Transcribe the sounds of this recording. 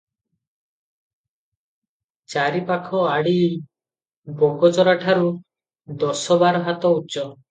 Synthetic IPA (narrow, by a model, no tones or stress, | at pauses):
t͡ʃaɾipakʰɔaɽi | bɔɡɔt͡ʃɔɾaʈʰaɾu | d̪ɔsɔbaɾɔɦat̪ɔut͡ʃɔ